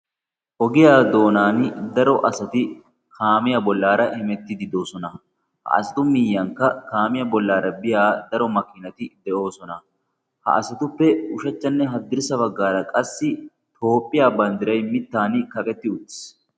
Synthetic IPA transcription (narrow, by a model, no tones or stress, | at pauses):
ʔɔɡɪjaːd̪o̞ːnaːnd̪ɐɾɔʔɐsɐt̪ɪ | kʰaːmɪjɐbɔlːaːɾɐhɪmɛt̪ːɪd̪ɪd̪o̞ːsɔnɐ | hɐ̰ʔɐ̰sɐt̪ʊmɪjːɐŋkːɐkaːmɪjɐbɔlːaːɾɐbɪjaːd̪ɐɾɔmɐkɪnɐt̪ɪd̪ɛʔo̞ːsɔnɐ | hɐ̰ʔɐsɐt̪ʊpːɛʊʃɐt͡ʃːɐnːɛɦɐd̪ːɪɾɪsɐbɐɡːaːɾɐkʼɐsːɪ | t̪o̞ːpʼːɪjaːbɐnd̪ɪɾɐjmɪt̪ːaːnkɐkʼɛt̪ːɪʊt̪ːɪ̥s